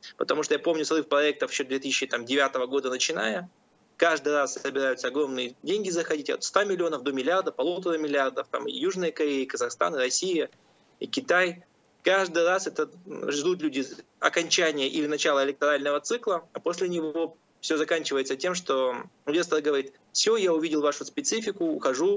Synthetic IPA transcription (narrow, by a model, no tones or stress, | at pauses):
pət̪ɐmuʂt̪oəjapo̞mnʲʊsrɨfpɾɐɛk̚t̪əfɕod̪vʲet̪ɨsʲɪɕɪt̪amdʲɪvʲat̪əvəɡo̞d̪ənət͡ɕɪna̰jə | kaʐd̪ɨjrasːəbʲɪɾajʊt̪səɐɡɾo̞mnɨjədʲenʲɡʲɪzəxɐdʲitʲɐ̰t̪st̪amʲɪlʲɪo̞nəfd̪o̞mʲɪlʲɪard̪əpɐlˠut̪əɾəmʲɪlʲɪard̪əft̪a̰mɨ̰juʐnəjəkɐɾʲejɪkəzɐxst̪a̰nɨɾɐsʲijə | ikʲɪt̪aj | kaʐd̪ɨjrasɛt̪əʐd̪ut̪̬lʲudʲɪ | ɐ̰kɐnʲt͡ɕænʲɪjəʔɪlʲɪnɐt͡ɕalˠəɪlʲɪk̚t̪ɐɾalʲnəvət̪sɨklˠəɐpo̞sʲlʲɪnʲɪvo̞ | fsʲozɐkanʲt͡ɕɪvəjɪt̪sətʲe̞mʂt̪o̞ʊvʲest̪ərɡəvɐɾʲit̪ | fsʲojaʊvʲidʲɪlˠvaʂʊspʲɪt̪sɨfʲɪkʊxɐʐu